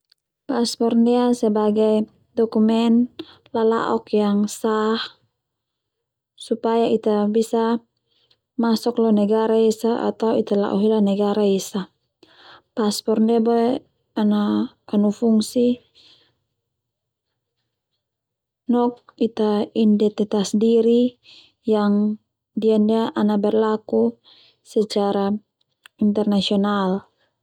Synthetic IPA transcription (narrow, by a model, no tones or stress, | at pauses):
paspɔrndɛasɛbaɡaj | dɔkumɛn | lala̰ʔɔkjaŋsah | supajait̪abisa | masɔklɔnɛɡaɾaisaʔa̰t̪awit̪ala̰ʔɔ̰ɦilanɛɡaɾaisa | paspɔrndɛabɔɛ | anakanufuŋsi | nɔk̚it̪aindɛt̪ɛt̪asdiɾi | jaŋ | diandiaʔanabɛrlaku | sɛt͡ʃaɾa | int̪ɛrnasiɔnal